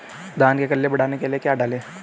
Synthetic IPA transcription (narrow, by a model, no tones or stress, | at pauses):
d̪aːnkekɐlːebɐɽaːnekeliekjaːɖaːlẽː